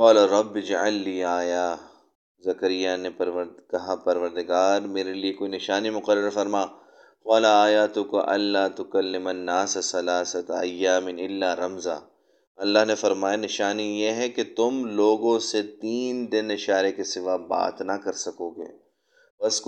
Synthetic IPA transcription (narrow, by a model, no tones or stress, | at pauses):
qaːlaɾˤɐbːd͡ʒɐʕɐlːiːaːjaː | zɐkəɾɪjanepɐɾʋɐkɐɦapɐɾʋəɾd̪ɪɡaːɾmeːɾeliekoːinɪʃaːnimʊqəɾəɾfɐɾmaː | xaːlaaːjaːt̪ʊkaʔɐ̰lːaːt̪ʊkɐlːɪmɐnːaːssɐlaːsɐt̪ɐjːaːmɪnɪlːaːɾɐmza̰ː | ɐlːaɦnefɐɾmaːjanɪʃaːnijeɦɛket̪ʊmloːɡõset̪iːnd̪ɪnɪʃaːɾekesɪʋaba̰ːt̪nɐkɐɾsɐkoːɡḛː | pɐsk